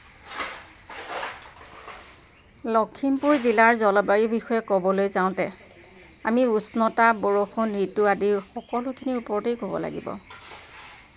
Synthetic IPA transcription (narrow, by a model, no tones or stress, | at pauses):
lɔkʰːimpuɹzilaɹzɔlɔbaɹibixɔjɛkɔbɔlojzaʊ̃tɛ | amiusnɔtaboɹoxunɹituadiɹxɔkɔlʊkʰiniupɔɹtejkobɔ̰la̰ɡḭbɔ̰